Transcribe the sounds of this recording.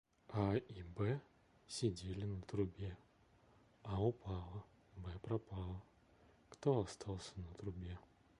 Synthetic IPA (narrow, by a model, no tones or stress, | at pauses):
aibɛ | sʲɪdʲelʲɪnət̪ɾʊbʲe | aʊpʰalˠə | bɛpɾɐpalˠə | kt̪oɐst̪ʰalˠsʲənət̪ɾʊbʲe